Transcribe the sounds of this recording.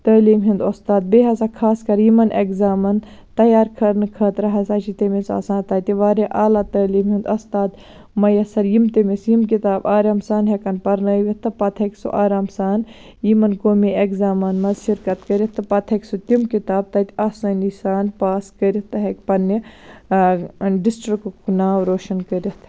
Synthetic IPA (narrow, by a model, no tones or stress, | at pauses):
t̪ɐːliːmɦind̪ost̪aːd̪̚beːɦɐsɐkʰaːskɐɾjimɐnʔekzaːmɐn | t̪ɐjaːɾkʰɐɾnɨkʰɐːt̪ɾɐɦɐsaːt͡ʃit̪emesa̰ːsãːnt̪ɐt̪iʋaːɾeʔaːlat̪ɐːliːmɦĩnd̪ɐst̪aːd̪ | mɐjɐsɐɾjimt̪emesjimkit̪aːbaːɾaːmsaːnɦekɐnpɐɾnɐːʋʲit̪ːɐpɐt̪ʰɐksṵʔaːɾaːmsaːn | imɐnkoːmiekzaːmɐnmɐzʃiɾkɐt̪kɐɾʲit̪t̪ɐpɐt̪ʰɐkʲsut̪imkit̪aːb̚t̪ɐt̪iaːsɐːnisaːnpaːskəɾʲit̪̚t̪ɐɦekʲpɐnːi | ɖisʈɾikknaːwɾoːʃɐnkəɾit̪ʰ